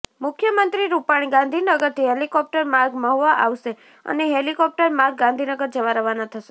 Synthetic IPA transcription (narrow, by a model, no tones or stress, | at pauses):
mʊkʰjəmənt̪ɾiɾupaɽ̃iɡãnd̪ʱinəɡəɾt̪ʰiɦelikɔp̚ʈəɾmaɾɡməɦʋaʔaʋʃe | ə̰neɦelikɔp̚ʈəɾmaɾɡːãnd̪ʱinəɡəɾd͡ʒəʋaɾəʋanat̪ʰəʃe̥